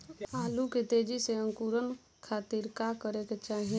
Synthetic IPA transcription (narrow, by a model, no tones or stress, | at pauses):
aːluket̪eːd͡ʒiseə̃ŋkuɾən | kʰaːt̪iɾkakəɾeket͡ʃaːɦi